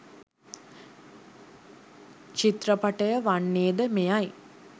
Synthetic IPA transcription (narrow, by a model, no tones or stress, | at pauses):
t͡ʃit̪rəpaʈəjəʋanːeːd̪əmejaj